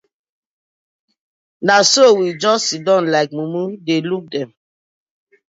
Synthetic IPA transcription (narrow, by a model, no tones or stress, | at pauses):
nasowid͡ʒɔstidɔ̃nlaɪk̚mumudeluk̚dɛ̃m